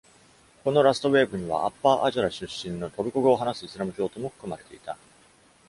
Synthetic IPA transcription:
ko̞no̞ɾasɨ̥t̪o̞βe̞ːbɯ̟ɲ̟iβ̞a̰ʔapːaːʔaʑoɾaɕɨɕːĩnːo̞t̪o̞ɾɯ̟koɡɯ̟oɦanasɨisɨɾamɯ̟kʲo̞ːt̪o̞moɸɯ̟̥kɯ̟maɾe̞t̪e̞̰it̪a

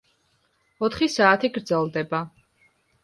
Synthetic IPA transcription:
ɔt̪ʰχisaːt̪ʰiɡɾd̪zɛlˠd̪ɛba

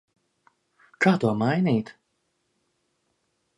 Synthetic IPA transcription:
kʰaːt̪uɔmajniːt̪

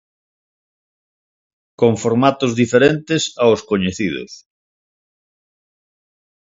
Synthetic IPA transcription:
koŋfoɾmat̪ʊzðifeɾent̪esaoskoɲeθið̞ʊ̰s

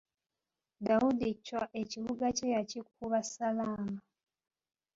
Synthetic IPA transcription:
dawudicwaʔeciβuɡacejacikuβasalaːma

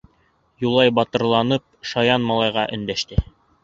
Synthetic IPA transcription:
julˠɑjbɑt̪ɤ̆ɾlˠɑnɤp̚ʃɑjɑnmɑlˠɑjʁɑʔɵ̆nd̪æʃt̪ɘ

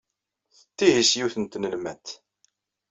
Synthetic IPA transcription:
θət̪ːihisjuθənt̪nəlmæt̪

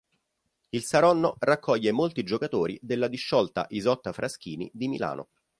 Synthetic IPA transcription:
ilsaɾɔnːorakʰːɔʎːemolt̪id͡ʒokat̪oːɾḭd̪elːad̪iʃːɔlt̪a̰ʔizɔt̪ːafɾʔask̟iːnḭd̪imḭla̰ːnʔo̰

